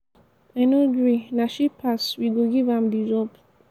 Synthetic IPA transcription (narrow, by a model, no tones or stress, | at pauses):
ɛ̃noɡɹinaʃipʰaswiɡoɡivãmdizɔp